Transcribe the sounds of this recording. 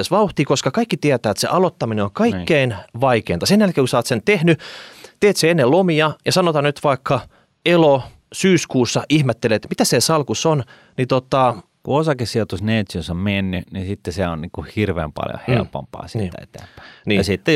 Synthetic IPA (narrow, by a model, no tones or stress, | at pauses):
esʋɑuht̪ikoskɑkɑikːit̪iæt̪æːet̪sḛʔɑlot̪ːɑmineoŋkɑikːeinʋɑikeːnt̪ɑsenjælkeːŋkusɑːt̪sent̪ehnyt̪eːt̪seenːelomiɑjɑsɑnot̪ɑnyt̪ʋɑikʰːɑ | elo | syːskuːsːɑʔihmet̪ːelet̪mit̪æsesɑlkuson | nit̪ot̪ɑ | kuosɑkessiot̪usneːt̪synsommenːynisit̪ːeseonniːŋkuhirʋḛːmpɑ̰ljo̰hḛlpo̰mpɑ̰ːsiiæḛt̪æ̰ːmpæ̥ːniːɑsit̪ːe